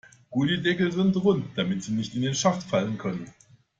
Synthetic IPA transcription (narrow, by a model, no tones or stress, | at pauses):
ɡ̥uːdədɛkl̩zɪntʁʊntd̥amɪtz̥iːnɪçtɪndeːnʃaχtfalənkʰœnən